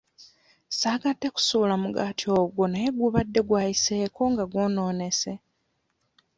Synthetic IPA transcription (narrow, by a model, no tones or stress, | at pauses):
saːɡadːe̞ku̥suːlamuɡaːtio̞ːɡwo̞naje̞ɡuβadːe̞ɡwaːjiseːkʰo̞ŋɡaɡwoːno̞ːne̞se̞